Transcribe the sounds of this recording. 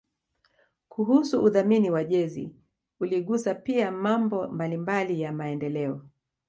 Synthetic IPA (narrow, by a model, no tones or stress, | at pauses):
kuɦusuuðaminiwaʄɛzḭ | uliɠusapiamambɔmbalimbalijamaɛndɛlɛɔ